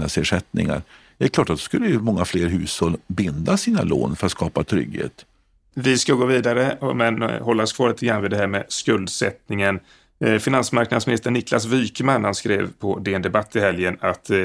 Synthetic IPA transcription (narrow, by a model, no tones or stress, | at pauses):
naseːʂɛt̪nɪ̰ŋa̰ɾd̪̥ɛɛɾkʰlɑːʈat̪̚d̪ɛ̥skɵlːəjmɔŋːafleːɾɦʉ̟ːshɔlbɪnd̪asiːna̰lo̰ːnfœɾat̪skɑːpat̪ʰɾʏ̰ɡhḛːt̪ | vɪskaɡoːviːd̪aɾə̰mɛnhɔlːaɔskʰvɑːɾɭiːt̪əɡɾanvɪːd̪ɛɦæːmɛskɵld̪sɛ̰t̪nɪŋən | fɪnansmaɾknad̪smɪnɪst̪əəɳɪkla̰svyːkəmanhanskɾḛːvpʰɔd̪ɛɛnd̪ɛbat̪ʰːɪhɛljənat̪